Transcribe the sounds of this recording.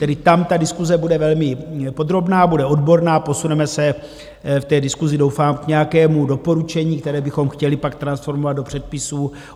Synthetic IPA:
t̪ɛdɪt̪amt̪adɪskuzɛbudɛvɛlmɪpo̞d̪ɾo̞bnaːbudɛʔo̞dbo̞ɾnaːpo̞sunɛmɛsɛ | ft̪ɛːdɪskuzɪdo̞wfaːmkɲɛjakɛːmudo̞po̞ɾut͡ʃɛɲiːkt̪ɛɾɛːbɪxo̞mxcɛlɪpakt̪ɾansfo̞ɾmovad̪do̞pr̝̥ɛt̪̚pɪsuː

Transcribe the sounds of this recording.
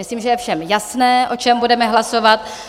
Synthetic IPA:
ɪsliːmʒɛjɛfʃɛmjasnɛːʔo̞t͡ʃɛmbudɛmɛɦlaso̞vat̪

